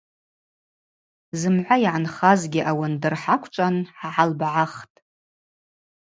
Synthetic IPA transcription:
zɨmʕʷajʕanχazɡʲɪʔawandɨrħakʷʰt͡ʃʷʼanħaʕalbʕaχtʼ

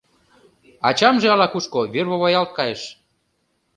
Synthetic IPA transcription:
ɑt͡ɕɑmʒeɑlɑkuʃkoβerβoβojɑlt̪̚kɑjeʃ

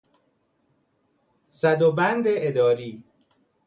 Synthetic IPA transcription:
sæd̪obænd̪eʔed̪ɒːɾiː

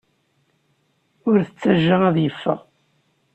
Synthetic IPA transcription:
ʊɾθət͡sːæʒːaæðjəfːə̰ʁ

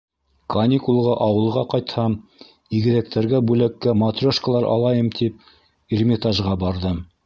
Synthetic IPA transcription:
kɐnʲikulˠʁɑʔɑwɤ̆lˠʁɑqɑjt̪hɑm | iɡɘ̆ðæk̚t̪æɾɡæbʉlækːæmɐt̪rʲoʃkəlˠɑɾʔɑ̰lˠɑjɤmt̪ʰip̚ | ermʲɪt̪aʒʁɑbɑɾðɤm

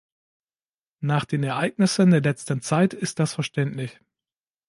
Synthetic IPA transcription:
naːχd̥eːnɛɐʔaɪk̚nɪsəndeːɐlɛt͡stən̩t͡saɪtɪst̚d̥asfɛɐʃtɛntlɪç

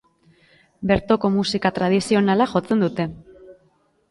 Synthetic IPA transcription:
be̞ɾt̪o̞ko̞musikat̪ɾað̞isio̞nalaʝo̞t͡send̪ut̪e̞

